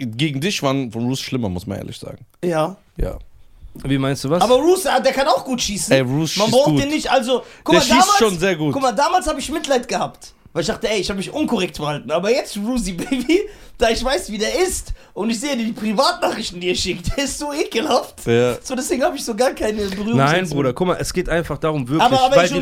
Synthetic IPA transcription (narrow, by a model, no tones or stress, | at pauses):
ɡeːɡŋ̩dɪçv̥anfɔnʁuːsʃlɪmɐmʊsma̰nʔḛɐlɪ̰çz̥a̰ːɡŋ̩jaː | ja̰ːviːmaɪnstd̥uːvaʔaːbɐʁuːsadeːɐkʰanaʊxɡ̥uːtʃiːsnɛɛʁuːsmanbʁaʊuːdeːnnɪçtʔalzokʰʊ̥eːɐaɐʃdiːmaːlʃoːnnzeːɐɡuːtkʊmaɐdaːmaːlshaːbəɪçmɪtlaɪtɡ̥əhaːpt | vaɪlɪçd̥aːχtəɛɪɪçhaːbəmɪçʔʊnkʰɔʁɛk̚tfɛɐhaltn̩ʔaːbɐjɛt͡stʁuːs̬ibeɪbid̥aːɪçv̥aɪsv̥iːdeːɐɪst | ʔʊntɪçzeːədidiːpʁ̥ivaːtnaːχʁɪçtn̩d̥iːɛʃɪk̚t̚d̥eːɐɪstz̥oːʔeːkl̩haftjaz̥oːdɛsv̥eːɡŋ̩haːbəɪçz̥oːɡaːɐkʰaɪnəbəʁyːʁaɪnbʁuːdɐkʰʊmaʔɛsɡ̥eːtʔaɪnfaχd̥aːʁʊmvɪɐaːbɐaːbɐvaɪl